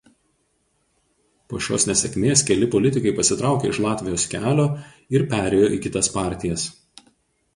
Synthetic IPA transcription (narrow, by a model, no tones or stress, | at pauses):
poːʃʲo̰ːsnʲɛsʲɛkʲmʲeːskʲɛlʲɪpɔlʲɪt̪ʲɪkɐɪpɐsʲɪt̪ɾɑˑʊkʲeːɪʃlˠɑːt̪ʲʋʲɪjoːskʲæːlʲoː | ɪɾpʲæːɾʲɛːjoːiˑkʲɪt̪ɐspɑˑɾʲt̪ʲɪjɛs